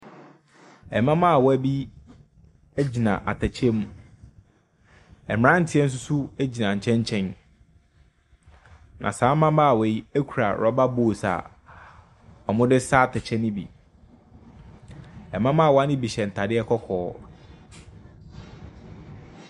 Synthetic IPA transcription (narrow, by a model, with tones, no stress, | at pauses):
ɛ˨mã˦mã˦a˨wɔ˦æ˦bi˦ | e˦d͡ʑi˨nã̰˨ʔa̰˨tʰɛ˨t͡ɕʰɛ˦mũ˦ | ɛ˨m̃˨ɾã˦n̩˨tʰɪ˨˦ɛ˦n̩˦s̬ʊ˦sʊ˦æ˦d͡ʑi˨nã˨ɲ̩˨t͡ɕʰɛ̃˦ɲ˦t͡ɕʰɛ̃˦n | nʔã̰˨sãː˨˦mã˦mã˦a˨wɛ˨˦i˦e˦kʰu˨ɾa̰˨ɾɔ˦ba˦bo˨sa̰˨ | ɔ˨mʊ̃˦dɪ˦saː˦tʰɛ˨t͡ɕʰɛ˦nɪ̃˦bḭ˨ | ɛ˨mã˦mã˦˨wɔ˦a˦nɪ̃˦bi˨ɕɛ˨n̩˨tʰa˨dɪ˦ɛ˦kʰɔ˦kʰɔː˦